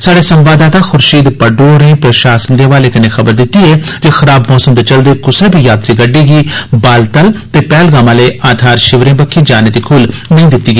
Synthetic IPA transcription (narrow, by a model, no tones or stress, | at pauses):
saːɖeːsəmʋaːd̪aːt̪ãːxʊɾʃiːd̪pəɖoːɾẽːpɾəʃaːsənd̪eːʋaːleːkəneːxʰəbəɾd̪ɪt̪ːiːɛːd͡ʒeːxəɾaːbmɔːsəmd̪et͡ʃəld̪eːkʊsɛːbʱiːjaːt̪ɾiːɡəɖːiːɡiːbaːlt̪əlt̪eːpɛːlɡaːmãːleːʔaːd̪ʱaːɾʃɪʋɾẽːbəkʰːẽːd͡ʒaːneːd̪iːkʰʊlnəĩːd̪ɪt̪ːiːɡiː